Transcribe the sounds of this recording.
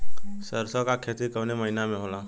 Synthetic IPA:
səɾsɔkakʰet̪ikəʋneməɦɪnamẽɦoːla

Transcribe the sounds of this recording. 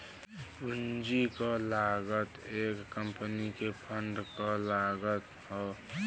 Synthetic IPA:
und͡ʒikɔlaːɡət̪eːkːəmpnikepʰəɳɖkɔlaːɡət̪ | ɦɔ

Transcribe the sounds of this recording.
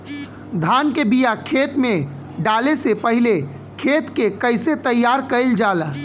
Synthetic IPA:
d̪ʱaːnkebijakʰet̪mẽ | ɖalesepəɦile | kʰeːt̪kekəɪset̪əjːaɾkəɪld͡ʒalə

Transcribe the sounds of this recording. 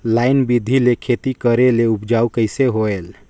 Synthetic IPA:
lajnbid̪ʱilekʰet̪ikəɾeleupd͡ʒaukəɪseɦoel

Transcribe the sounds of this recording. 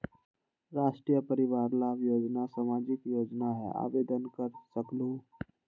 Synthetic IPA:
ɾaːʂʈɾijəpəɾiʋaɾlajoːd͡ʒnasamad͡ʒikjoːd͡ʒnaɦɛ̰a̰ʋed̪ənkəɾsəklu

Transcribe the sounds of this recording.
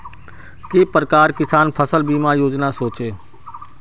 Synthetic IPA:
kepɾəkaːɾkɪsaːnpʰəsəlbiːmajoːd͡ʒnasoːt͡ʃeː

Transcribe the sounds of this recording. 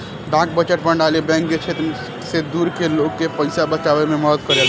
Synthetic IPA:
ɖãk̚bət͡ʃəʈbəɳɖalibɛ̃ŋk̚d͡ʒet͡ʃʰet̪ | sed̪uɾkelokːepəɪsabət͡ʃabememəd̪t̪kəɾel

